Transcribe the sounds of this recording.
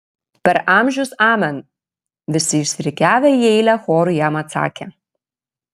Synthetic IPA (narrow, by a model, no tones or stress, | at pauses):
pʲɛɾʔɑˑmʲʒʲʊsɑːmʲɛn | ʋʲɪsʲɪɪʃsʲʋʲɾʲɪkʲæːʋʲɛjɛɪlʲɛxɔːɾʊjæːmɐt̪sɑ̰ːkʲe